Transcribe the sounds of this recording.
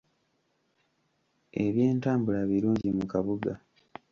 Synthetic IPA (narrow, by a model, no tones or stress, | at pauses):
eβje̞ːntaːmbulaβiɾuːɲɟimukaβuɡa